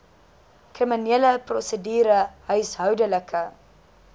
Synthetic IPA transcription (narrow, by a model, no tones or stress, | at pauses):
krimineələprɔsədiːɾəɦœɥsɦœwdələkʰə